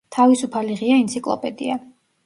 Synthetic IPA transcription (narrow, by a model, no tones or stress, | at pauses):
t̪ʰavisupʰaliʁiaint̪sʰikʼlˠɔ̰pʼɛd̪ḭa